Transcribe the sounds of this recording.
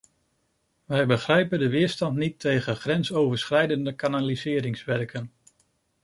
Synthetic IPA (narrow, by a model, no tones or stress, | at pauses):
ʋɛjbəχrɛjpəndəʋɪːɹstɑntnitʰejχəχrɛnsowvəɹsχrɛjdəndəkanalizɪːɾɪŋsʋɛɹkʰən